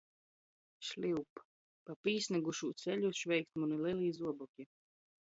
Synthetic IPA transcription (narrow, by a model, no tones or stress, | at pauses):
ʃlʲiwp | papiːsʲnɛɡuʃuːt̪sɛlʲuʃvʲɛjk̚t̪muniliɛlˠiːzuɔbɔkʲi